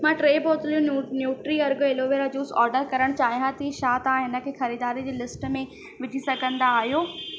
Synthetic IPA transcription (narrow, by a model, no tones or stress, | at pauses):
mãːʈɾeːboːt̪ɪlijõnjuːʈɾiɐɾɡoeloːʋeːɾad͡ʑuːsɔːɾɖəɾkɐɾəɽ̃t͡ɕaːɦijɦãt̪ʰiʃaːt̪aãɦɪnə̆kʰeːxɐɾiːd̪aːɾid͡ʑeːlɪsʈmẽ | ʋɪʈisɐɡʱə̃nd̪aːɦijoː